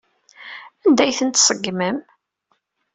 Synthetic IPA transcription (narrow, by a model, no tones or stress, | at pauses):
ænd̪æjθənt̪sˤəɡːməm